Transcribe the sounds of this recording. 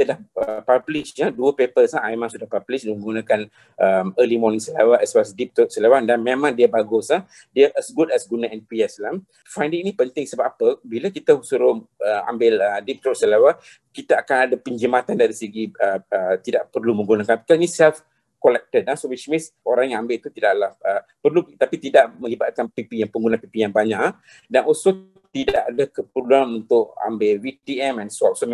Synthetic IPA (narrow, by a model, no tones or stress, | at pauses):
kit̪ədahəpablɪʃɲaduəpepəsamemãŋsudahpablɪʃdməŋɡunãkan | ʔəməlimɔnĩŋsəlawaʔɛswasdip̚t̪ɾɔt̪̚səlawandanmemãŋdiəbaɡʊsah | diəʔɛsɡudɛsɡunaɛnpiəslam | fajndiŋnipənt̪ɪŋsəbapapəbiləkit̪əsuɾʊhəa̰mbɪlədip̚t̪ɾɔʔsəlawa | kit̪aakanadapəɲd͡ʒimat̪andaɾisiɡiəət̪idaʔpərlumə̃ŋɡunakanpi̥kainisɛlf | kɔlɛk̚təd̚asowit͡ʃmĩns | oɾaŋjãŋambɪlt̪ut̪idaʔlahʔə | pərlut̪apit̪idaʔmə̃libat̪̚kanpipijaŋpəŋɡunãpipijaŋbaɲaʔ | danʔɔlso | t̪idaʔadakəpəluanunt̪ʊʔa̰mbɪlwit̪iɛmɛnsɔp̚so